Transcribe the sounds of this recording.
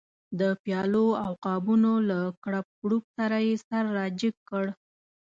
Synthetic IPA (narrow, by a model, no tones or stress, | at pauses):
d̪əpjɑloawqɑbunolakɽap̚ɡɽup̚saɾajesaɾːɑd͡ʒɪkːəɽ